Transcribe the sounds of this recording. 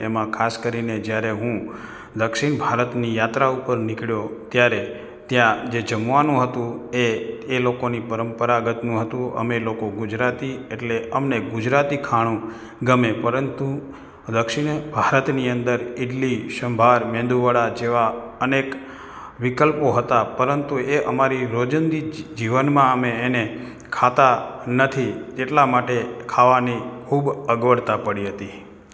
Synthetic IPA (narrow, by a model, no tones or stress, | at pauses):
emãkʰaskəɾined͡ʒjaɾeɦũ | d̪əkʃɪɳbʱaɾət̪nijat̪ɾaupəɾnɪkɭjot̪jaɾe | t̪jãd͡ʒed͡ʒəmʋanũɦət̪ũeːlokonipəɾəmpəɾaɡət̪nũɦət̪ũə̰melokoɡʊd͡ʒɾat̪ieʈleʔəmneɡʊd͡ʒɾat̪ikʰaɽ̃ũ | ɡəmepəɾənt̪u | d̪əkʃiɳ̃bʱaɾət̪niənd̪əɾɪɖliʃəmbʱaɾmẽnd̪uʋəɽad͡ʒeʋa | ənek | ʋɪkəlpoɦət̪apəɾənt̪ueʔəmaɾiɾod͡ʒənd̪id͡ʒiʋənmãəmeːne | kʰat̪anət̪ʰid͡ʒeʈlamaʈekʰaʋanikʰubəɡʋəɽt̪apəɽiɦət̪i